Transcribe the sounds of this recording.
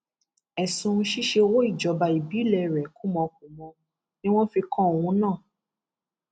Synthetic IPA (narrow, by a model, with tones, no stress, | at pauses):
ɛ˨sũ˧ʃi˦ʃe˧wo˦i˦˨d͡ʒɔ˨˦ba˧i˨bi˨˦lɛ˧˨ɾɛ˨kũ˦mɔ̃˧k̚ũ˨mɔ̃˧ | nĩ˦w̃ɔ̃˦fi˧kɔ̃˦˨w̃ũ˨˦nãː˦˨